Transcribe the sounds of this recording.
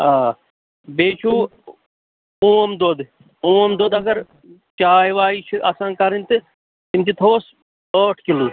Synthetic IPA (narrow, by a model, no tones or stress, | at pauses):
aː | beːt͡ʃʰuː | ũːmd̪oːd̪ | ũːɐmd̪oːd̪ɐɡɐɾ | t͡ʃaːjʋaːiːt͡ʃʰuʔɐsãːkɐɾint̪ɨ | t̪imt̪it̪ʰoːs | əːʈʰkiluː